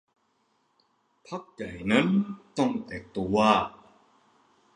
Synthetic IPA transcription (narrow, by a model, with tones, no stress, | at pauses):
pʰa˦˥k̚ja˨˩jna˦˥nt̪ɔ˥˩ŋt̪ɛː˨˩k̚t̪u˧waː˥˩